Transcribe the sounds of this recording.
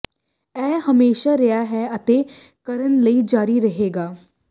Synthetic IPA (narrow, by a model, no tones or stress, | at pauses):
ɛːɦəmeːʃaːɾeaːɦɛːət̪eːkəɾənləiːd͡ʒaːɾiɾəɦeːɡaː